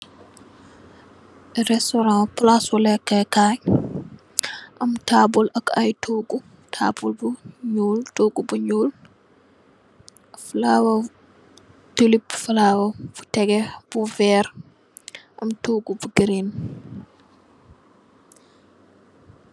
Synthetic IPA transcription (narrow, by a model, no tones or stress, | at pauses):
ɾɛstɔɾãplaswulɛkːɛkaɲ | ʔɐmtabulʔɐkɐjtʰuɡu | tʰa̰bulbuɲuːltoːɡubuɲuːl | fulawa | tulibfulaːwafu̥tɛɡɛb̥uvɛːɾ | ʔɐmtuɡubuɡɾin